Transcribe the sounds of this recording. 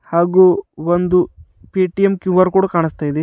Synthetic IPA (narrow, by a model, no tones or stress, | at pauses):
haːɡuːond̪u | piːʈijemkjuːʋɐɾkuːɽɐkaːɳist̪aːjid̪e